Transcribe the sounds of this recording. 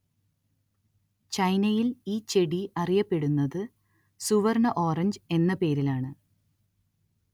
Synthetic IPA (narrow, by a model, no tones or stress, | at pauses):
t͡ɕɐjnɐjiliːt͡ɕe̞ɽiɐrijɐpːe̞ɽunːɐðɨ | suʋɐrnɐʔo̞ːrɐɲd͡ʑe̞nːɐpe̞ːɾilaːɳɨ